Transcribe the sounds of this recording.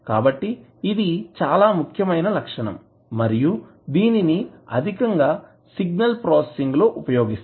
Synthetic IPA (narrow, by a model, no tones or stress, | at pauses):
kaːbɐʈːiː | d̪it͡ʃaːlaːmukʰjɐmɐjnɐlɐkʂɐɳɐ̰mː | ɐɾiju | d̪iːniniɐ̰d̪ʱikɐŋɡaː | siɡnɐlpɾɔːsesiŋɡlo̞ːʔupɐjo̞ːɡist̪